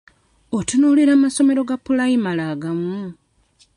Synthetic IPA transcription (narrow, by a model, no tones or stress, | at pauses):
otunuːliɾaːmaso̞me̞ɾo̞ɡapulaimalaɡamu